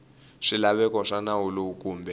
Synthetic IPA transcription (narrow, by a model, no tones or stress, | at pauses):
ʂilaβɛkɔʂanawuloukʼuːmbʱɛ